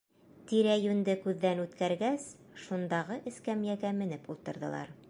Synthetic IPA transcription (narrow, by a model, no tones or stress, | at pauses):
t̪iɾæjʉnd̪ɘkʉðːænʉt̪kæɾɡæs | ʃund̪ɑʁɤʔɘ̆skæmjæɡæmɘ̆nɘpulˠt̪ɤ̆ɾðɤ̰̆lˠɑ̰ɾ